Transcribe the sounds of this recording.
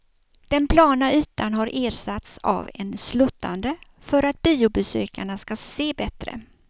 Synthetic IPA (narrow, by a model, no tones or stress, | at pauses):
d̪̥ɛnpʰlɑːnaʉ̟ːt̪anɦaɾʔeːɾsat̪sa̰vɛ̰nslɵt̪ʰːa̰nd̪əfœɾat̪̚biːʊbɛsøːkaɳaskaseːbɛt̪ɾə̰